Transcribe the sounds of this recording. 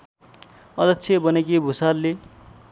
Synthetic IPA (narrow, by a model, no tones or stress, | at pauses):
ʌd̪ʌkt͡sʰebʌnekibʱusalle